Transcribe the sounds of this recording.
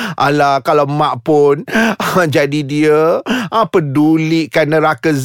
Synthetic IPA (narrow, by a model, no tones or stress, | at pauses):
ʔalahkalawmãʔpʊnd͡ʒadidiəəpədulɪʔkanəɾakəz